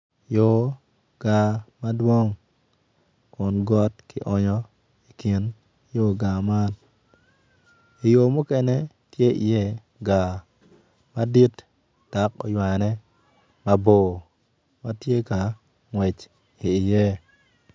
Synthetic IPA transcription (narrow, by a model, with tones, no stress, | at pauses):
jo˨ | ɡ̥a˨ma˦dwo˦ŋ | kʊ˨nɡɔ˦tkɪ̰˨ʔɔ˦ɲɔ˦ | i˨ki˨n | jo˦ɡa˨ma˦n | i˨jo˨mʊ˦kɛ˦nɛ˦ | tje˦ḭ˨je˦ | ɡa˨ | ma˦di˦t | d̥a˨kɔ̰˨jwa˨nɛ˦ | ma˦bo˨ | ma˦tje˦ka˨ | ŋwɛ˨t͡ʃ | iː˨je˦